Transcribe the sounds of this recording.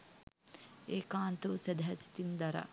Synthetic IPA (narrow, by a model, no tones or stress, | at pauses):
eːkaːnt̪əʋəsæd̪ɐɦɛsi̥t̪ind̪ɐɾa̰